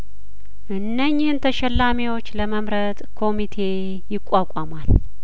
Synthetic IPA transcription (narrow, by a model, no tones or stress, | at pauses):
ʔɨnːəɲːɪhɨnt̪ʰəʃɛlːamiwo̞t͡ʃːləməmɾət̪kʰo̞mit̪ʰe̞ | jɪkʷʼːakʷʼamal